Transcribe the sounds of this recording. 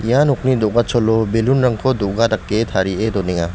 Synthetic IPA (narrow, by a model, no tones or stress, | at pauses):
ijanɔk̚nidɔʔɡat͡ʃɔlɔbelunɾaŋkʰɔdɔʔɡadakːetʰaɾiedɔniŋa